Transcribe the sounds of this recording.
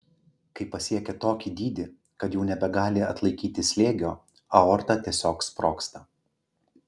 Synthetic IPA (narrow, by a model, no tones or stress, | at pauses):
kɐɪpɐsʲiɛkʲɛt̪oːkʲiːd̪ʲiːd̪ʲɪ | kɐt̪juːnʲɛbʲɛɡɑːlʲɪɐt̪lˠɐɪkʲiːt̪ʲɪsʲlʲeːɡʲoː | ɐoːɾt̪ɐt̪ʲiɛsʲoːkspɾoːkst̪ɐ